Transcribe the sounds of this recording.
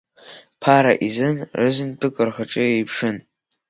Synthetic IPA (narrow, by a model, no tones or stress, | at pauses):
pʰaɾa̰ʔizɨnʕɨzɨnpʼɨkʷʼɨrχaʈ͡ʂʼɨejpʰʂɨn